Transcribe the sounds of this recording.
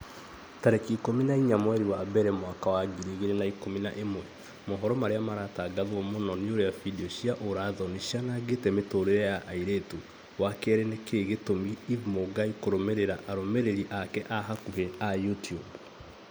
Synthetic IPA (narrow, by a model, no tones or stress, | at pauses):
taɾekiːkominaiɲamwɛɾiwaːbɛɾɛmwakawaɡiɾiɣeɾenaikomina̰ʔemwɛ | moɦɔɾɔmaɾeamaɾaːtaːɡaðwɔmonɔnioɾeafidiɔʃiaʔoɾaðɔniʃianaɡetɛmetoɾojaʔaiɾetu | wakɛɾɛnekeːɣetomiːvmoɡaikoɾomeɾeɾaʔaɾomeɾeɾiʔakɛʔaɦakuɦeajutiub